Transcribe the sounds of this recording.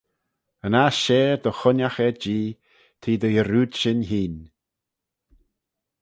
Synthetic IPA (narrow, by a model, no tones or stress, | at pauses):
ənaʃeːɾd̪əxʊnaxɛd͡ʒiː | t̪ʰiːd̪əjəɾuːd̪ʃɪnɦiːn